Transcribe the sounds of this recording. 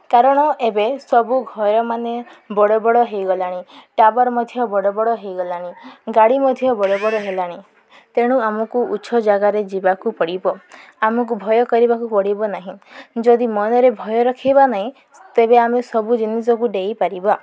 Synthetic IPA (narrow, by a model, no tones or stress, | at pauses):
kaɾɔɽ̃ɔʔebesɔbuɡʱɔɾɔmanebɔɽɔbɔɽɔɦejɡɔlaɽ̃ĩʈabɔɾmɔd̪ʱjɔbɔɽɔbɔɽɔɦejɡɔlaɽ̃ĩɡaɽimɔd̪ʱjɔbɔɽɔbɔɽɔɦelaɽ̃i | t̪eɽ̃ũamɔkuuʃʰɔd͡ʒaɡaɾed͡ʒibakupɔɽibɔ | amɔk̬ubʱɔjɔkɔɾibakupɔɽibɔnaɦĩd͡ʒɔd̪imɔnɔɾebʱɔjɔɾɔkʰibanaɦĩ | t̪ebeamesɔbud͡ʒinisɔkuɖejpaɾiba